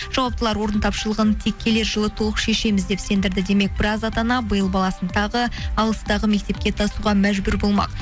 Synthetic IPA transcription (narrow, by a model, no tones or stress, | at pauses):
ʒ̥ɑwɑp̚t̪əlˠɑɾwo̞ɾənt̪ʰɑpʃəlˠəʁənt̪ʰekʲʰːe̞le̞ɾʒəlˠət̪ʰolˠəqʃe̞ʃe̞mɪzd̪e̞pse̞nd̪ɪɾd̪ɪd̪e̞me̞k̚bɪɾɑzɑt̪ɑnɑbəjəlˠbɑlˠɑsənt̪ʰɑʁəɑlˠəst̪ɑʁəme̞k̚t̪e̞p̚kʲe̞t̪ʰɑsuʁɑmæʒbʉɾbo̞lˠmɑ̰q